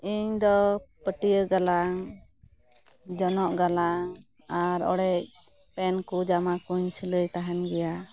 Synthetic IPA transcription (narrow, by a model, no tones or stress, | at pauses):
iɲd̪ɔpəʈijəɡalaŋ | d͡ʒɔnɔʔɡalaŋ | aɾɔ̰ɽɛc̚ | pɛnkud͡ʒamakuɲsələjt̪aɦanɡɛja